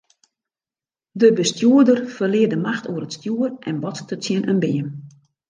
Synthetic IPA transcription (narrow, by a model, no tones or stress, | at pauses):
dəbəstjuədərfərlɪədəmaxtuəɾətstjuərʔɛnbɔttʰəsjɪnʔənbɪəm